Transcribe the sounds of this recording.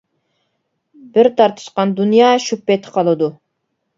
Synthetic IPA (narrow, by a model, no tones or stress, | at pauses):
bɪɾt̪ʰɑɾt̪ʰɨ̥ʃqɑnd̪unjɑːʃupːɛt̪ʰqʰɑlˠɨd̪u